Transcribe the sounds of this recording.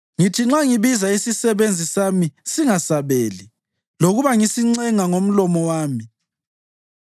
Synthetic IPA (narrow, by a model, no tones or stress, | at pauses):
ŋitʰiŋ͡ǁaŋiβizaisisɛβend͡zʱisamisiŋasaβeːli | loɣuβaŋisiŋ͡ǀɛŋaŋom̩lɔmɔwaːmi